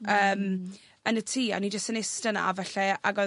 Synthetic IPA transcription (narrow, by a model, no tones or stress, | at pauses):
əːm | ənətʰiːa̰nid͡ʒəstənɪstəna̰a̰vɛɬɛa̰ɡɔ